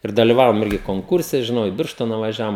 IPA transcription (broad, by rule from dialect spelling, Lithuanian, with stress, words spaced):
ɪr dɐlʲɪˈʋɑːʋoːm ˈɪrʲɡʲɪ koːŋˈkʊrʲsʲɛ ʒʲɪˈnɐʊ ɪ ˈbʲɪrʃtoːnɐ ʋɐˈʒʲæːʋoːm